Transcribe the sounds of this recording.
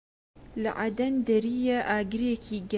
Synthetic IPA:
la̰ʕad̪ɐnd̪ɐɾijaʔaːɡɾjekʰiːɡ

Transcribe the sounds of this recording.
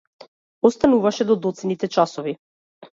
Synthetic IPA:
ɔst̪anuvaʃɛd̪ɔd̪ɔt̪sɛnit̪ɛt͡ʃasɔvi

